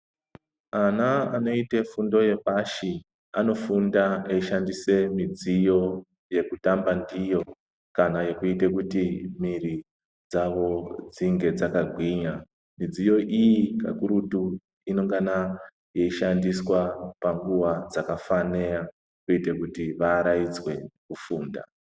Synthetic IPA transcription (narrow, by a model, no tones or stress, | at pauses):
anaano̞itefundo̞je̞paʃi | ano̞fundaeiʃandise̞mid͡zijo̞ | je̞kutambandijo̞ | kanaje̞kuitek̬utimiri | d͡zaʋo̞d͡ziŋɡe̞d͡zakaɡʱwiɲa | mid͡zijo̞ʔijika̰kuɾutu | ino̞ŋɡana | je̞iʃandiswapaŋɡuʋad͡zakafane̞a | kuitekutiʋaɾaid͡zwe̞kufuːnda̰